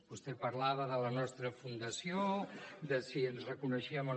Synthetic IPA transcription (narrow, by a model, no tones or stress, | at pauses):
bust̪epəɾlaβəðələnɔst̪ɾəfund̪əsiod̪əsiənzrəkunəʃiəmo